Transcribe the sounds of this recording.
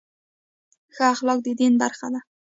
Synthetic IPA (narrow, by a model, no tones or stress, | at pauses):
xaaχlɑk̚d̪ed̪enbaɾχa̰d̪a